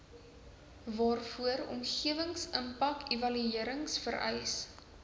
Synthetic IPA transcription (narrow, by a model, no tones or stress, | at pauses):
vɑːrfuəɾɔ̰mχiəvəŋsəmpɐkevɐlyiəɾəŋsfəɾœ̰js